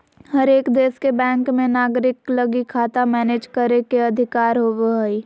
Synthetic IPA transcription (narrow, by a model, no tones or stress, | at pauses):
hɐɾeːkd̪eːskebɛ̃ːŋkmẽnaːɡɾɪklɐɡikʰːaːt̪amɛːneːd͡ʒkəɾekeɐd̪ʱɪkaːɾɦoːʋeɦəiː